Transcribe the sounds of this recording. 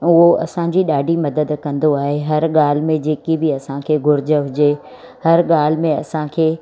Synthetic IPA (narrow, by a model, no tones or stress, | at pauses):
ʊɦoʔɐ̰sãd͡ʑiɗaːɖʱimɐd̪əd̪kɐ̃nd̪oaːɦeɦɐɾɠaːl̤ɪ̆mẽd͡ʑeːkibɪɐsãkʰeːɡʱʊɾɪd͡ʑəɦʊd͡ʑe | hɐɾɠaːl̤ɪmẽɐsãkʰeː